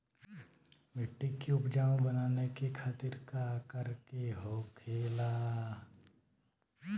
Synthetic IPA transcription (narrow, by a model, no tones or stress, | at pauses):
mɪʈːikiʊpd͡ʒaːõbənaːnekikʰat̪iɾkakəɾkeɦokʰeːlaː